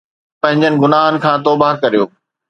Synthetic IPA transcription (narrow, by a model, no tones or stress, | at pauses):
pɐ̃ɦɪ̃ɲd͡ʑənɪ̆ɡʊnaːɦənɪ̆kʰãːt̪̬ɔːbaɦkɐɾijoː